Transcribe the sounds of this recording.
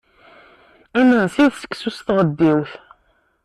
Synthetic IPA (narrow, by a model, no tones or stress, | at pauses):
æmənsiðsə̥kːsusθʁəd̪ːiwθ